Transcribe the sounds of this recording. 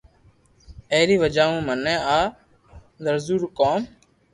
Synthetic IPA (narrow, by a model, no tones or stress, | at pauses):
eːɾiːʋəd͡ʒaːũːmənɛ̃ːaː | d̪əɾzuːɾkoːm